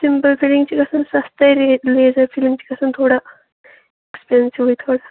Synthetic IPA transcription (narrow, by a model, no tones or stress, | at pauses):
simpəlfilĩŋt͡ɕikəsənsast̪ajɾeled͡zəɾfiliŋt͡ɕi̥kəsənt̪ʰoɽa | ekspeɾənsiʋəit̪ʰoɽa